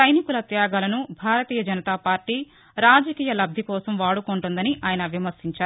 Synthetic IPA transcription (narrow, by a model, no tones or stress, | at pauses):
sɐjnikulɐt̪jaːɡaːlɐnubʱaːɾɐt̪iːjɐd͡ʒɐnɐt̪aːpaːɾʈiː | ɾaːd͡ʒɐkiːjɐlɐb̪̚ʱikɔːsɐmʋaːɽukuɳʈund̪ɐniʔaːjɐnɐʋjɐmɐɾsiɲt͡ʃaːɾu